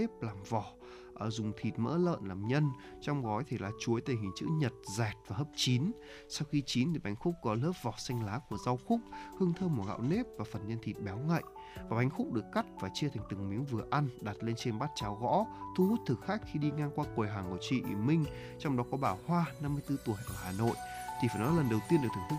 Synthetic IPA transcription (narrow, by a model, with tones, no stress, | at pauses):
e˦˥p̚laː˨˩mvɔ˨˩ | ʔəː˧˩zʊ˨˩ŋ͡mt̪ʰi˨˩t̚mə̰ː˧˥lə̰ː˧˨nlaː˨˩mɲə˧n | t͡ɕɔ˧wŋ͡mɣɔ˨˦jt̪ʰi˨˧˩laː˨˩t͡ɕu˨˦əjt̪e˨˩hï˨˩ŋ̟t͡ɕɨ̰˧˥ɲə˨˩t̚zɛ˨˩t̚vaː˨˩ɦəː˦˥p̚t͡ɕi˨˦n | sa˧wxi˧t͡ɕi˨˦nt̪ʰi˨˩ɓa˨˦jŋ̟xʊ˦˥k͡p̚kɔ˨˦ləː˦˥p̚vɔ˨˩sa˧jŋ̟laː˨˦ku˧˩əza˧wxʊ˦˥k͡p̚hɨ˧əŋt̪ʰəː˧mu˨˩ɣa̰ː˧˨wne˦˥p̚vaː˨˩fə˨˩nɲə˧nt̪ʰi˨˩t̚ɓɛ˨˦wŋa̰˧˨jʔ | vaː˨˩ɓa˨˦jŋ̟xʊ˦˥k͡p̚ɗɨ˨˩əkːa˦˥t̚vaː˨˩t͡ɕi˧ət̪ʰa˨˩jŋ̟t̪ɨ˨˩ŋmi˨˦ənvɨ˨˩əʔa˧nɗaː˨˩t̚le˧nt͡ɕe˧nɓaː˦˥t̚t͡ɕaː˨˦wɣɔ̰˧˥t̪ʰu˧hu˦˥t̚t̪ʰɨ˨˩k̚xaː˦˥k̚xi˧ɗi˧ŋaː˧ŋkwaː˧ku˨˩əjɦaː˨˩ŋʔo˧˩t͡ɕḭ˧˨ʔḭ˧˩mï˧ŋ̟ | t͡ɕɔ˧wŋ͡mɗɔ˨˦kɔ˨˦ɓaː˧˩whwaː˧na˧mːɨ˧əjt̪ɨ˧t̪u˧˩əjʔəː˧˩haː˨˩no̰˧˨jʔt̪ʰi˨˩faː˧˩jnɔ˨˦lə˨˩nɗə˨˩wt̪i˧ənɗɨ˨˩t̪ʰŋt̪ʰɨ˦˥